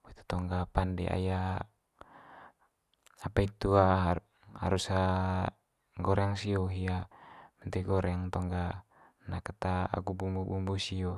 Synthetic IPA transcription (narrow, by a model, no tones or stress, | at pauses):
it̪u̥t̪ɔŋɡapandɛ̰ʔa̰ja | apait̪uaɦ | ha̰ɾusa | ɡɔɾaŋsiɔɦiamɛnt̪ɛɡɔɾɛaŋt̪ɔŋɡa | nakat̪aa̰ɡubumbubumbusiɔ